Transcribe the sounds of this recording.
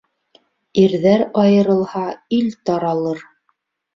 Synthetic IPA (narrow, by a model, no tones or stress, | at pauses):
iɾðæɾɑjɤ̆ɾɤ̆lˠhɑilt̪ɑɾɑlˠɤɾ